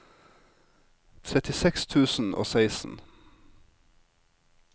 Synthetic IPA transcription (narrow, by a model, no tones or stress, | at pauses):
t̪ʰɾɛt̪ɪsɛkst̪ʰʉːsn̩ʔo̰ːsæɪsn̩